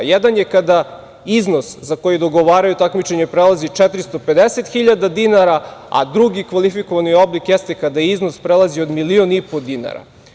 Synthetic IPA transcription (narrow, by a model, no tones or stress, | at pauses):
jɛd̪anjekad̪a | izno̞szakojid̪o̞ɡo̞ʋaːɾajut̪akmit͡ʃe̞ɲepɾelˠazit͡ʃɛt̪ɾist̪ope̞d̪eset̪xiʎad̪ad̪inaɾaa̰d̪ɾuɡikʋalifiko̞ʋanijo̞blikjest̪e̞kad̪aizno̞spɾelˠazio̞d̪milio̞nipo̞d̪ina̰ɾa̰